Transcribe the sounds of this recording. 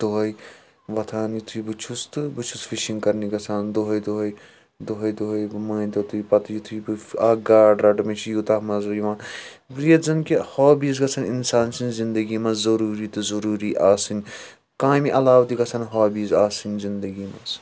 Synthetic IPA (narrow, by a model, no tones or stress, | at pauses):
t̪uɦɐj | ʋɐt̪ʰaːnjit̪ʰujibɨt͡ʃʰust̪ɨbɨt͡ʃʰusfʰiʃiŋɡkɐɾniɡɐt͡sʰaːnd̪oɦɐjd̪uɦɐj | d̪uɦɐjd̪uɦɐjmɐːnt̪ɐt̪ʰuipɐt̪jit̪ʰujbɨaːɡaːɖɾɐɖɨmet͡ʃʰijut̪ɐɦmɐzɐjuʋãː | ɾijɐzɐnkehoːbiːzɡɐt͡sʰɐninsaːnsʰinzind̪ɐɡimɐzzɐɾuːɾiːt̪ɨzɐɾuːɾiːʔaːsɨnʲ | kãːmiʔɐlaːwd̪iɡɐsʰɐnɦaːbiːzaːsɨnʲzind̪ɐɡiːmɐ̰z